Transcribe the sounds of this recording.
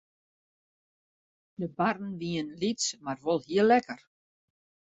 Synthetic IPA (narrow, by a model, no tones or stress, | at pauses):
dəbarn̩ʋiənlitsmarʋolˠhiəlːɛkər